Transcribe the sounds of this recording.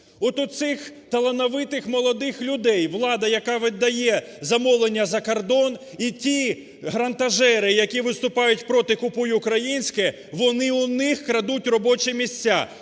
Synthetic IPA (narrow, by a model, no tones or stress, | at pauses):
ɔt̪ʊt̪sɪxt̪ɐlˠɐnɐʋɪt̪ɪxmɔlˠɔd̪ɪxlʲʊd̪ɛjʋlˠɑd̪ɐjɐkɑʋɪd̪ɐjɛ | zɐmɔʋlˠenʲːɐzɐkɐrd̪ɔn | itʲi | ɦɾɐnt̪ɐʒɛɾɪjɐkʲiʋɪst̪ʊpɑjʊtʲpɾɔt̪ɪkʊpujʊʊkɾɐjinʲsʲkɛ | ʋɔnɪʊnɪxkɾɐd̪utʲrɔbɔt͡ʃɛmʲisʲt͡sʲːa